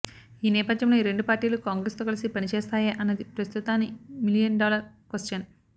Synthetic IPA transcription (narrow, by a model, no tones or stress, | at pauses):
iːnɛːpɐd̪jɐmlo̞ːiɾe̞ɳɖupaːɾʈiːlukaːŋɡɾest̪o̞ːkɐlisipɐnit͡ʃeːst̪aːjeʔɐnːɐd̪ipɾɐst̪ut̪aːnimilijɐnɖaːlɐɾkʋesʈɐn